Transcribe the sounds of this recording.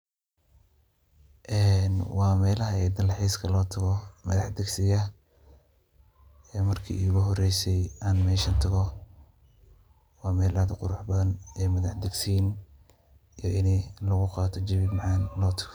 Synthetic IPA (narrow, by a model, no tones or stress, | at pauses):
ʔɛːnwɑːmɛːlɐɦɐɛd̪ɐlħiːskʰɐlɔːt̪ʰɐɣɔmɐðɑħd̪ɛɡsɪjɐ | ɛːmɐrkʰḭːʊɣʊɦɔrɛjsɛjaːnmɛːʃɐnt̪ʰɐɣɔ | wɑːmɛːlɐd̪ɐqʊɾʊħbɐðɐnɛːmɐðɑħd̪ɛɡsiːn | ijɔʔɪnɛlɐɣʊqɑːt̪ʰɔt͡ʃɪβɪmɑʕɑːnlɔːt̪ʰɐ̥ɣɔ̥